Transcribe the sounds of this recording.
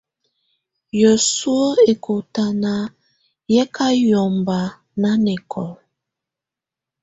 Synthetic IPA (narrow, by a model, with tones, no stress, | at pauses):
jo˨su˦o˦e˨kʰo˨ta˨na˨ | jɛ˦kʰa˦jɔ˨mba˨ | na˦nɛ˨kʰɔ˨